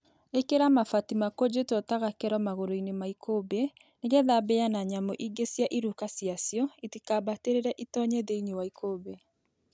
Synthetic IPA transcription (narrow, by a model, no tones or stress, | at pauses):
ekeɾamafatimakod͡ʑetɔtaɣakɛɾɔmaɣoɾoinemaikʰobe | neɣɛðabɛanaɲamoʔiɡesjaʔiɾukasjasjɔitikaːbateɾeɾɛʔitɔɲeðeiɲewaikʰobɛ